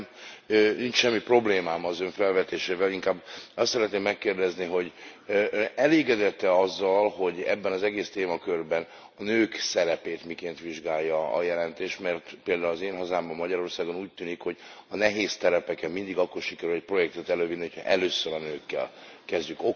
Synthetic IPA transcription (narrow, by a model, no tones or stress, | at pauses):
ønint͡ʃʃɛmːipro̞bleːmaːmɒzøɱfɛlvɛt̪eːʃeːvɛliŋkaːbːɒst̪sɛɾɛt̪neːmːɛkːeːrd̪ɛzniɦo̞ɟøɛleːɡɛd̪ɛt̪ːɛɒzːɒlɦo̞ɟɛ̰bːɛnɒzɛɡeːst̪eːmɒkørbɛn | ɒnøːksɛɾɛpeːt̪mikeːnt̪ʋiʒɡaːjːɒɒ̰jɛlɛnt̪eːʃt̪mɛrt̪peːld̪aːulɒzeːnɦɒzaːmbɒmːɒɟɒɾo̞rsaːɡo̞nuːc̚t̪yːnikho̞ɟɒnɛɦeːst̪ɛɾɛpɛkɛmmind̪iɡɒkːo̞rʃikɛɾylɛc̚pro̞jɛk̚t̪ɛt̪ɛløːvid̪iɦocʰhɒ̰ʔɛløːsøɾɒnøːkːɛ̰lkɛzɟyko